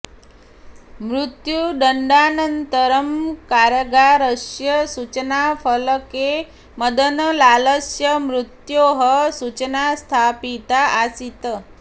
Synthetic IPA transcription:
mɾut̪juɖəɳɖanənt̪əɾəmkaɾəɡaɾəsjəsut͡ʃnafʰələke | məd̪ʱənlaləsjəmɾut̪joɦəsut͡ʃnast̪ʰapit̪aasit̪ə

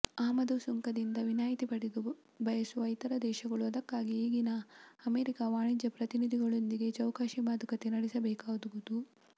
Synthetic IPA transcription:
aːmɐd̪usuŋkɐd̪ind̪ɐʋinaːjit̪ipɐɽid̪u | bʱɐjɐsuɐjt̪ɐɾɐd̪ɛːʃɐɡɐɭuɐd̪ɐkːaːɡieːɡinɐːmeːɾikaʋaːɳid͡ʒɐpɾɐt̪inid̪ʱiɡɐɭo̞nd̪iɡe̞t͡ʃɐwkaːʃimaːd̪ukɐt̪enɐɽisɐbɛːkaːd̪uɡud̪u

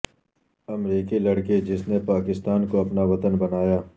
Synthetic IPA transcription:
ɐmɾiːkilɐɽked͡ʒɪsnepaːkɪst̪aːnkoɐpnaʋɐt̪ənbɐnaːjaː

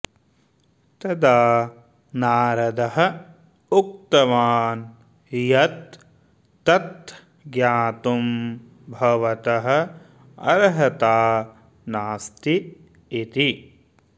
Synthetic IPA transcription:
t̪ɐd̪aː | naːɾɐd̪ɐɦɐ̆ | uk̚t̪ɐʋaːn | jɐt̪ː | ɐt̪ | ɡjaːt̪um | bʱɐʋɐt̪ɐɦɐ̆ | ɐ̰ɾɦɐt̪aː | naːst̪iː | t̪i

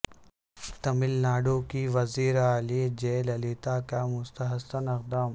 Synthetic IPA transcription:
t̪ɐmɪlnaːɖoːkiʋɐziːɾaːlid͡ʒeːlɐliːt̪aːkamʊst̪ɐɦɐsɐnɪq̚d̪aːm

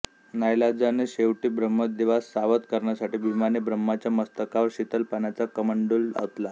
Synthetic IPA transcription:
najlad͡zaneɕeʋʈiːbɾəmːəd̪iʋasːaʋət̪kəɾɳjasaʈiːbʱimanebɾəmːat͡ɕjaməst̪əkaʋəɾɕit̪əlpanat͡sakəməɳɖula̰ʋt̪la

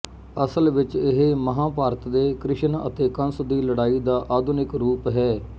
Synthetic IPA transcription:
əsəlʋɪt͡ʃɪɦeməɦãːpaːɾət̪d̪eːkɾɪʃənə̰t̪eːkə̃nsd̪iːləɽaːiːd̪aːʔaːd̪ʊnɪkɾuːpɦɛː

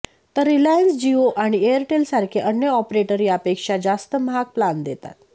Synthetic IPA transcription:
t̪əɾːilajənsd͡ʑioʔaɽ̃iejəɾʈelsaɾkʰeʔənjəɔpɾeʈəɾiːapekʂad͡zast̪əmɦak̚pland̪et̪a̰t̪

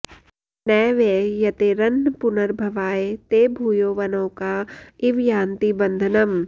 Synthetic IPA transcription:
nɛːʋeːjɐt̪eɾɐnːpʊnəɾbʱɐʋaːet̪eːbʱuːjoːʋɐnõːkaɪʋjãːnt̪ibɐ̃nd̪ʱənɐm

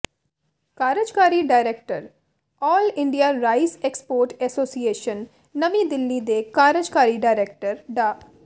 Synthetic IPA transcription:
kaːɾəd͡ʒkaːɾiɖaːɪɾeːk̚ʈəɾ | ɔːlɪ̃ɳɖijaɾaːɪseːkspoːɾʈɛsoːsieːʃənː | ɐmĩd̪ɪlːid̪ekaːɾəd͡ʒkaːɾiɖaːɪɾeːk̚ʈəɾɖaː

